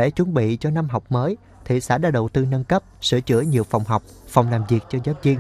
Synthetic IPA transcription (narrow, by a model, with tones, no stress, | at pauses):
e˧˩˦t͡ɕu˨˦nɓḭ˧˨t͡ɕɔ˧na˧mɦa˨˩wk͡p̚məː˨˦j | t̪ʰḭ˨sa̰ː˧˥˩ɗa̰ː˧˥ɗə̰˨˩wt̪ɨ˧nə˧nkə˦˥p̚sɨ̰˧˩ət͡ɕɨ̰˧˥əɲi˨˩əwfa˨˩wŋ͡mɦa˨˩wk͡p̚fa˨˩wŋ͡mlaː˨˩mvi˨˩ək̚t͡ɕɔ˧zaː˦˥p̚zi˧əŋ